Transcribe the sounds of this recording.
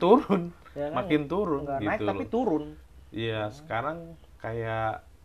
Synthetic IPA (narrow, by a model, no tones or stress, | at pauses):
t̪uɾʊnmakɪnt̪uɾʊnɡit̪uapit̪uɾʊnijasə̥kaɾaŋ | kajaʔ